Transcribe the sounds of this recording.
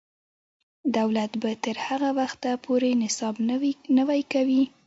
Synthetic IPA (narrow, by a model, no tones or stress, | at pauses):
d̪awlat̪bat̪əɾhaɣawaxt̪apʰoɾenɪsɑbnəwajkawi